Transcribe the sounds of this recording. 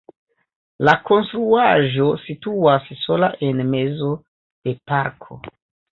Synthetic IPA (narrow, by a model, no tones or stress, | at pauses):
lako̞nstɾuaʒo̞situasso̞laʔe̞nme̞zo̞ | d̥e̞paɾkʰo̞̰